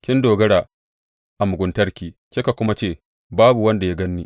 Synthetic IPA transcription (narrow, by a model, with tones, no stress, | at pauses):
kʲɪ˦ndoː˨ɡɐ˦ɽaː˨ | ʔa˨mʊ˨ɡʷʊ˨ntɐ˦rkʲiː˨kʲe˦ka˨kʷʊ˦ma˦t͡ʃeː˦˨ | baː˦bu˨wɐ˦nda˨ja˦ɡɐ˦nːiː˦